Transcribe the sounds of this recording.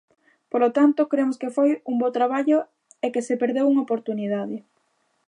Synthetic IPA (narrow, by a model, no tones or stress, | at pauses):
polot̪ant̪ʊkɾemoskefojuŋbot̪ɾaβ̞aʎo | ekesepeɾðewuŋopoɾt̪uniðaðɪ